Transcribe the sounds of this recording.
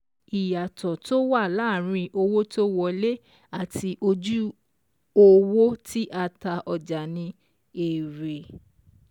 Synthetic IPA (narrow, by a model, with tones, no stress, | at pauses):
i˨ja˨tɔ˨to˦wa˦˨laː˦˨ɾ̃ĩ˧ʔo˧wo˦to˦wɔ˦le˦ | a˦˨ti˧ʔo˧d͡ʒu˦ | o˦wo˦tʰi˦ʔa˧ta˧ʔɔ˨d͡ʒa˨nĩ˧ | e˨ɾe˨